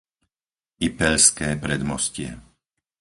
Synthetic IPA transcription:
ipɛʎskɛːpɾɛd̪mɔscɪɛ̰

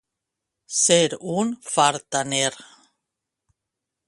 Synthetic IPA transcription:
seɾunfaɾt̪aneɾ

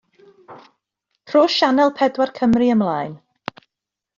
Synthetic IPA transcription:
pʰroːʃanɛlˠpʰɛdwarkʰəmriəmlˠaːjn

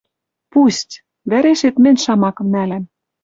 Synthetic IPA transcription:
pustʲ | βæɾeʃet̪mɘ̆nʲʃɑmɑkɤ̆mnælæm

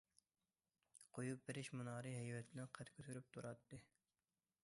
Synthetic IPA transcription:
qʰojup̚bɪɾɪʃmunɑːɾɨɦɛjwɛt̪ʰlɪnqʰɛt̪kʲʰøt̪ʰyɾyp̚t̪ʰuɾɑt̪ːɨ

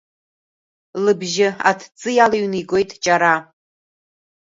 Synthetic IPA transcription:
lɨbʒɪa̰tʰt͡sʼɨjalaɥniɡo̞jtʼt͡ʃʼaɾa

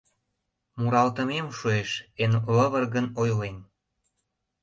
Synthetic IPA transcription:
muɾɑlt̪ə̆memʃueʃenləβərɣənojlen

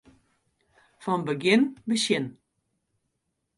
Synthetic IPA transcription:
fɔnbəɡɪnbəsjɪn

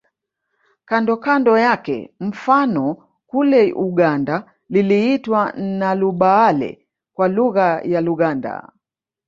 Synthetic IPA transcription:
kandɔkandɔjakɛ̰m̩fanɔ | kulɛʔuɠanda | liliitwanaluɓaalɛ̰ | kwaluɣajaluɣanda̰

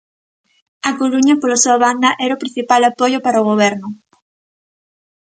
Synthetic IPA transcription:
ɐkoluɲɐpolasuaβand̪ɐʔɛɾaopɾĩn̟θipalapojopaɾaoɣ̞oβ̞ɛɾnʊ

